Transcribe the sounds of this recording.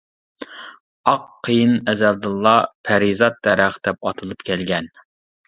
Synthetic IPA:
ɑqʰːəjɨnɛzæld̪ɨlˠːɑpʰæɾizɑt̪̚ːɛɾæχd̪̥ɛp̚ɑt̪ʰɨlˠɨpkʲʰɛlɡʲɛn

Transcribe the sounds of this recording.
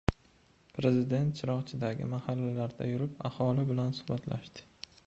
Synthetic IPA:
pɾe̞zɪd̪e̞nt̪̚t͡ʃʰɪɾɒχt͡ʃʰɪd̪aɡʲɪ̰mahalːalaɾd̪a̰jʊɾɪpahɒlɪbɪlansʊ̥hbat̪la̰ʃd̪ɪ̥

